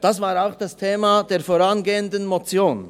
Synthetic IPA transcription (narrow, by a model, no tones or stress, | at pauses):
d̥asv̥aːɾaʊxd̥astʰeːmad̥eːɐfoːʁanɡeːəndən̩mot͡sjoːn